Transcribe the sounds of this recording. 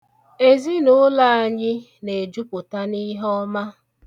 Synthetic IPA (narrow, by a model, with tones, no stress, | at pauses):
e˨zi˦nʊ˦la˦˨a˨ɲɪ˦ | ne˨d͡ʒu˦pʊ˨ta˦ni˦ɦɔ˦ma˦